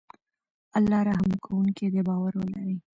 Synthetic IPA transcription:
alːɑɾaɦamkʰawuŋked̪ebɑwaɾwəla̰ɾi

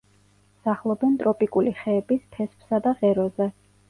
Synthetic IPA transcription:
saχlˠɔbɛnt̪ʼɾɔpʼikʼuliχɛːbispʰɛspʰsad̪aʁɛɾɔzɛ

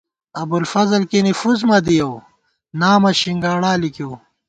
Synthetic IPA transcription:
ɐbulfɐzɐlkinifuzmɐd̪ijɐw | naːmɐɕiŋɡaːɽaːlikiw

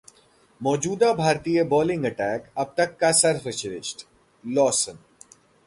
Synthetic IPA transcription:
mɔːd͡ʒuːd̪abʱaːɾt̪iːjebɔːlɪ̃ŋɡɐʈɛːkɐb̚t̪ɐkːasɐɾfɪt͡ʃɾɪʃʈ | lɔːsən

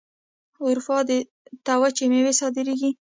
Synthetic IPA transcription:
ʊɾfɑd̪ə | t̪awat͡ʃemewesɑd̪ɪɾeɡi

